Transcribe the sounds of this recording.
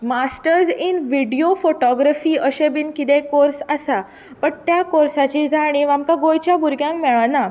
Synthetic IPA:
masʈəɾzinʋiɖijofoʈɔɡɾafiːəɕebinkit̪ẽkoɾsasa | pəɳt̪jakoɾsat͡ɕid͡zʱaɽ̃iʋamkaɡojt͡ɕjabuɾɡjãŋkmɛɭana

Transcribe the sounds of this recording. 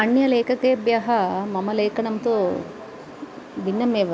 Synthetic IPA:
ɐɳjɐleːkɐkeːbjɐɦɐmɐmɐleːkɐnɐmɐt̪u | binːɐmeːʋɐ

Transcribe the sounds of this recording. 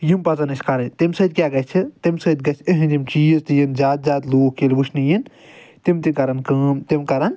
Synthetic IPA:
jimpɐzɐnɐsʲkɐɾɐnʲt̪imsɐd̪̚ʲkʲaːɡɐt͡ʃʰit̪imsɐd̪̚ʲɡɐt͡ʃʰiɦɨ̃nd̪imt͡ʃiːzt̪ijinzʲaːt̪̚zʲaːt̪loːkkelbut͡ʃʰnijin | t̪imt̪ikɐɾɐnkɐːmt̪imkɐɾɐn

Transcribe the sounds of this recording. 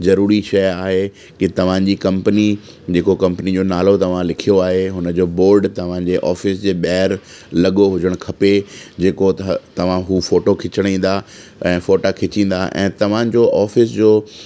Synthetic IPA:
zɐɾuːɾiʃɐjaːɦe | kɪt̪ɐʋ̤ãd͡ʑiːkɐ̃mpəni | d͡ʑeːkokɐ̃mpnid͡ʑoːnaːlot̪ɐʋ̤ãlɪkʰijoaːɦeɦʊnəd͡ʑoːboːɾɖt̪ɐʋ̤ãd͡ʑeːʔɔːfɪsd͡ʑeːɓɛɦɾ | lɐɠoɦʊd͡ʑəɽ̃kʰɐped͡ʑeːkot̪t̪ɐʋ̤ãɦuːfoːʈokʰɪt͡ɕəɽ̃ĩːn̆d̪a | ɛ̃ːfoːʈakʰɪt͡ɕĩːn̆d̪aʔɛ̰̃ːt̪ɐʋ̤ãd͡ʑoːʔɔːfɪsd͡ʑoː

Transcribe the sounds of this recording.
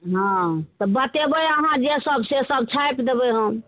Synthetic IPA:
ɦãt̪ɔbət̪ebəjəɦãd͡ʒesəbʱsesəbʱt͡ʃʰajpd̪ebəɦə̃

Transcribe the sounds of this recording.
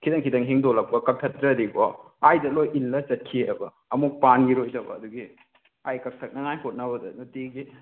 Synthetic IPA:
kʰidɐŋkʰidɐŋɦiŋdolɐp̚pɐkɐk̚tʰɐtɾɐdibo | ajdɐlojilːɐt͡ʃɐt̚kʰieʔɐbɐ | ɐmuk̚panɡiɾojtɐbɐ̰ːduɡi | ajkɐk̚tʰɐk̚nɐŋajkʰot̚nɐbɐdɐ̰nutiɡi

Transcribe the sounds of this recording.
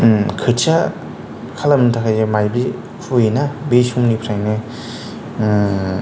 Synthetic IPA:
kʰɯtt͡ʃa | kʰalamnɯtʰakʰajzemajbi | kʰujinabesumnipʰɾajnɯ

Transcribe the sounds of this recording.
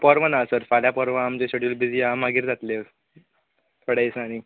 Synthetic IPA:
pɔɾʋənasəɾfaljapɔɾʋəamt͡ɕeɕeɽjuːlbid͡ziamaɡiːɾd͡zat̪le | t̪ʰoɽeisnañi

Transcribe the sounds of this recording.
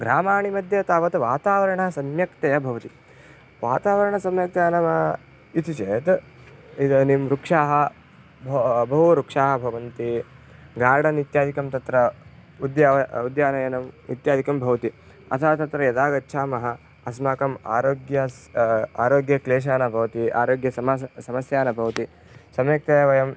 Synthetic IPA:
ɡɾaːmaːɳimɐd̪ʱjɐt̪aːʋɐt̪ɐʋaːt̪aːʋɐɾɐɳɐsɐmjɐkt̪ɐjɐbʱɐʋɐt̪i | ʋaːt̪aːʋɐɾɐɳɐsɐmjɐk̚t̪aɐnɐmɐ | it̪it͡ʃeːt̪ | id̪ɐnimɾukʂaːɦɐ | bʱbʱɐʋuɾukʂaːɦɐbʱɐʋɐnt̪iɡaːɾɽɐnit̪jaːd̪ikɐmt̪ɐt̪ɾɐud̪jaːɐud̪jaːnɐjɐnɐmḭt̪jaːd̪ikɐmbʱɐʋɐt̪i | ɐ̰t̪ʰaːt̪ɐt̪ɾɐjɐd̪aːɡɐtːʃʰaːmɐɦɐ̆ | ɐsmaːkɐma̰ːɾoːɡjɐsaːɾoːɡjɐkleːʃ̬aːnɐbʱɐʋɐt̪ia̰ːɾoːɡjɐsɐmɐsɐmɐsjaːnɐbʱɐʋɐt̪i | sɐmjɐk̚t̪ɐjɐʋɐjɐm

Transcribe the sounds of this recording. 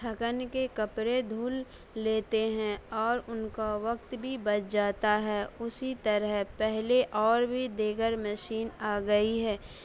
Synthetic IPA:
ʈʰɐkənkekɐpɾed̪ʱuːlː | eːt̪eɦɛ̃ɔːɾʊnkaʋɐk̚t̪bʱibɐt͡ʃd͡ʒaːt̪aɦɛːʊsit̪ɐɾəɦpɛɦleʔɔːɾbʱid̪eːɡəɾməʃiːnaːɡəiɦɛː

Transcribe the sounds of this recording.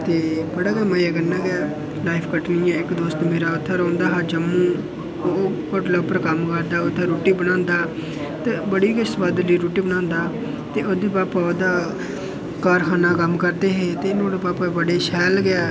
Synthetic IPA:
t̪eːbəɽaːɡəmajaːɡənːãːɡɛː | laːɪpʰkəʈnɪjãːɪkd̪oːst̪ːmeːɾaːʊt̪ʰːəɾõːnd̪aːɦaːd͡ʒəmːũː | oː | ʊʈləɡ̚pəɾkəmkəɾd̪aːʊt̪ʰːeɾoːʈiːbənãːnd̪aː | t̪eːbəɽiːkəsʋaːd̪liːɾuːʈiːbənãːnd̪aː | t̪eːoːd̪eːpaːpaːoːd̪aː | kaːɾxʰaːnaːkəmkəɾd̪eːɦeːt̪eːnõːɽeːpaːpaːbəɽeːʃɛːlɡɪɛː

